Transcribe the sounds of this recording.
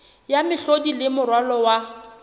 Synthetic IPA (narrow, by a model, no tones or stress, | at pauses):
jamɪɬodilɪmʊrwalɔwa